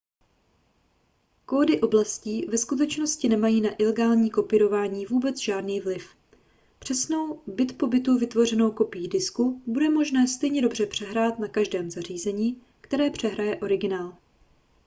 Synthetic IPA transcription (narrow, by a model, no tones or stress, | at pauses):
ko̞ːdɪʔo̞blasciːvɛskut̪̬ɛt͡ʃno̞scɪnɛmajiːnaʔɪlɛɡaːlɲiːko̞pɪɾo̞vaːɲiːvuːbɛt͡sʒaːdniːvlɪf | pr̝̥ɛsno̞wbɪt̪po̞bɪt̪uvɪt̪vo̞r̝ɛno̞wko̞pɪjiːdɪskubudɛmo̞ʒnɛːst̪ɛjɲɛdo̞br̝ɛpr̥ɛɦɾaːt̪nakaʒdɛːmzar̝iːzɛɲiː | kt̪ɛɾɛːpr̝̥ɛɦɾajɛʔo̞ɾɪɡɪnaːl